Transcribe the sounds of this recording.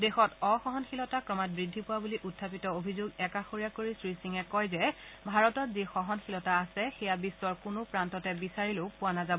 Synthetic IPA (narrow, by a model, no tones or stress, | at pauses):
dexɔtɔxɔɦɔnxilɔtakɹɔmat̚bɹidʱːipʊwabuliʔutʰːapitɔobʱizoɡɛkaxoɹijakoɹisɹisiŋɛkɔjzɛ | bʱaɹɔtɔtzixɔɦɔnxilɔtaːsɛxɛjabisːɔɹkʊnʊpɹantɔtɛbisaɹileʊpʊwanazabɔ